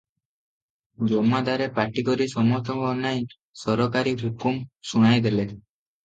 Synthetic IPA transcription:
d͡ʒɔmad̪aɾepaʈikɔɾisɔmɔt̪ɔŋkɔːnjaj | sɔɾɔkaɾikɦukumsuɽ̃ajd̪ele

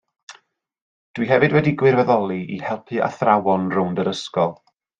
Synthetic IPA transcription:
d̥wiɦɛvɨdwɛdiɡwɪrvɛðɔlˠiʔihɛlˠpʰɨa̰θrawɔnrʊwndəɾəskɔlˠ

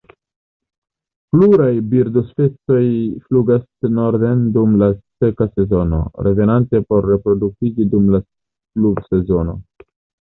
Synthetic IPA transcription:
pluɾajbiɾdospet͡so̞jfluɡasno̞ɾde̞ndumlase̞kase̞zo̞no̞̰ɾe̞ve̞nante̞po̞ɾːe̞pɾo̞dukid͡ʒidumlas | klubse̞zo̞no̞̰

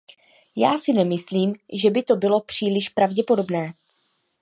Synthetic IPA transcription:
jaːsɪnɛmɪsliːmʒɛbɪt̪o̞bɪlo̞pr̝̥iːlɪʃpɾavɟɛpo̞do̞bnɛː

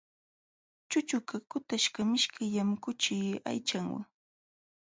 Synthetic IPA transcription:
t͡ʃʊt͡ʃʊkakʊt̪aʃkamɪʃkajamkʊt͡ʃɪːa̰jt͡ʃaŋwa̰ŋ

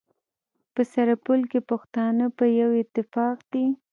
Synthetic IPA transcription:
pəsaɾapulkepaxt̪ɑnəpəjawɪt̪ːɪfɑqd̪̥i

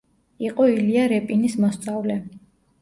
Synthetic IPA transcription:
iqʼɔiliaɾɛpʼinismɔst̪sʼavlɛ

